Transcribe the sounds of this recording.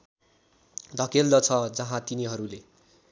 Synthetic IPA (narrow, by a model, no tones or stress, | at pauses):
d̪ʱʌkeld̪ʌt͡sʰʌd͡zʌɦãt̪iniɦʌɾule